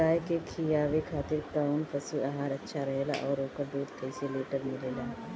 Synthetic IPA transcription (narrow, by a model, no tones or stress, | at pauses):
aːjkekʰijaːʋekʰaːt̪ɪɾkaːʊnpɐsuʔaɦaːɾɐtːʃʰaɾɐɦeːla̰ʔɔːɾoːkobuːt̪kəɪseleːʈəɾmɪleːlaː